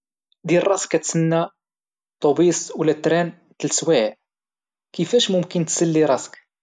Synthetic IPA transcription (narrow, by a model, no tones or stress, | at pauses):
d̪ilrˤɑskːæt̪sənːa | t̪ˤːobisˤwlæt̪ɾæn | t̪əlswæʕ | kəfæʃmʊmkənt̪səlːiɾˤɑsk